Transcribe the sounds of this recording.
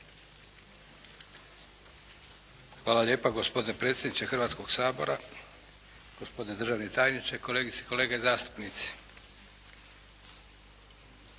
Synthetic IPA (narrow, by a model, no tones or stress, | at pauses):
xʋaːlaʎʲe̞ːpaɡospod̪inepɾe̞ːt̪sʲjʲed̪nit͡ʃ̪exrʋaːt̪sko̞ɡ̥saːbo̞̰ɾa | ɡ̥ospod̪ined̪r̩ʒaːʋnet̪aːjnit͡ʃeko̞leːɡit̪se̥koleːɡezaːst̪u̥pnit̪si̥